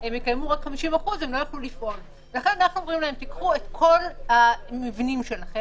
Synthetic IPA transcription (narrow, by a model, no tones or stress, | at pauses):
emjekajmuʁakχamiʃimaχuzemlojaχlulifʔo̞l | velaχe̞nanaχnuomʁimlahe̞mt̪ikχuet̪kʰo̞lhamivnimʃe̞laχem